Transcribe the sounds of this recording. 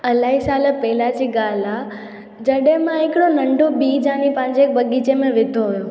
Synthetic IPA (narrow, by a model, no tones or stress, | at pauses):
ɐlaːisaːləpɛɦɪlad͡ʑiːɡaːla | d͡ʑɐɗɦɪ̃mãɦɪkɪɽonɐ̃ɳɖʱobiːd͡ʑãːnipɐ̃ɦɪ̃ɲd͡ʑeːk̚bɐɠit͡ɕemẽʋɪd̪ʱoɦʊjo